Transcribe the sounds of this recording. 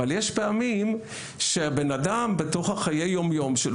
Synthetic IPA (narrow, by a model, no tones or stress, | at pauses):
aljeʃpeamim | ʃeabenadambeto̞χhaχaje̞jːo̞mjo̞mʃel